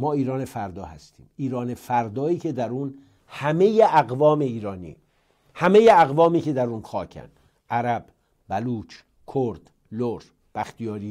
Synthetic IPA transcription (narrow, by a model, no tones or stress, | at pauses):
mɒːiːɾɒːnefæɾd̪ɒːhæst̪ʰḭːmiːɾɒːne̞fæɾd̪ɒːiːcʰe̞d̪æɾun | hæme̞jeʔæɣvɒːme̞iːɾɒːnḭː | hæmejeæɣvɒːmiːce̞d̪æɾunxɒːcʰæ̰nd̪ | ʔæɾæbː | æluːt͡ʃ | kʰoɾd̪̥ | loɾ | b̥æxt̪ijɒːɾiː